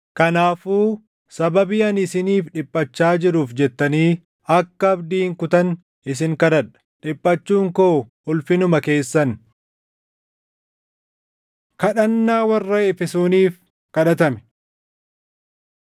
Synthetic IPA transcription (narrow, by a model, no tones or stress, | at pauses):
kɐnaːfuː | sɐbɐbɪɐnɪsɪniːfᶑɪpʼːɐt͡ʃːaːd͡ʒɪɾuːfd͡ʒɛt̪ːɐniː | ɐkːɐɐbd̪iːŋkʊt̪ɐn | ɪs̬ɪŋkɐᶑɐᶑɐ̥ᶑɪpʼːɐt͡ʃːuːŋkoː | ʊlfɪnʊmɐke̞ːsːɐn | kɐᶑɐnːaːwɐrːɐɛfɛsoːniːf | kɐᶑɐt̪ɐmɛ̥